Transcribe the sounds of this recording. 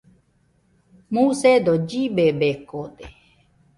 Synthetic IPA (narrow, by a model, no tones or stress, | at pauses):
mused̪od͡ʒiɓebekod̪e